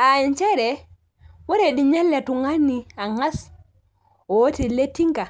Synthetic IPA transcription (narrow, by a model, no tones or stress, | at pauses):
ʔaɛnt͡ʃɛɾɛ | waɾɛɗiɲɛlːɛtuŋanːiaŋas | ɔwotiletːiŋka